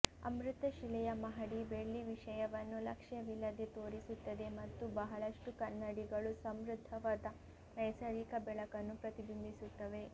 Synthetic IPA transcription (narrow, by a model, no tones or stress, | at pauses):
ɐ̰mɾut̪ɐʃilɛjɐmɐɦɐɽibeɭːiʋiʂɐjɐʋɐnːulɐkʂjɐʋilːɐd̪et̪o̞ːɾisut̪ːɐd̪e̞mɐt̪ːubɐɦɐɭɐʂʈukɐnːɐɽiɡɐɭusɐmɾud̪ʱːɐʋaːd̪ɐ | nɐjsɐɾikɐbɛɭɐkɐnːupɾɐt̪ibind̪ʱisut̪ːɐʋe̞